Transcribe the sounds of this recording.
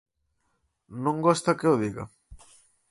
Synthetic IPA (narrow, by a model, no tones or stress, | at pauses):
nõŋɡost̪ɐkeʊðiɣɐ̰